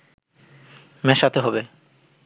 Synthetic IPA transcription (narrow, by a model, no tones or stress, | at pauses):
mɛʃat̪ʰeɦɔbe